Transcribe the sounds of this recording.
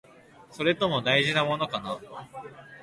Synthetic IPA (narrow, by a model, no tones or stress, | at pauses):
so̞ɾe̞t̪o̞mo̞d̪aiʑinamo̞no̞kana